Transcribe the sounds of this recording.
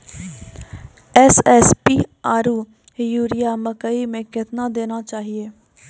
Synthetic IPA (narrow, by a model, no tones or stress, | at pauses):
ɛːsɛːspiːaːɾuː | juːɾɪjaːməkəimẽkɪt̪naːd̪eːnaːt͡ʃaːɦieː